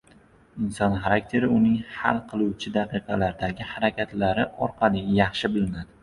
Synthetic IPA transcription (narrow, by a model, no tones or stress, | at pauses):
ɪnsɒnχaɾak̚ʲt̪ʰe̞ɾɪʊnɪŋha̰lˠqʰɨlˠuwt͡ʃʰɪd̪aqɨqʰɑlaɾd̪aɡʲɪhaɾakʲʰat̪laɾɪʔɒɾqʰɑlˠɪjɑχʃɪbɪlɪnad̪ɪ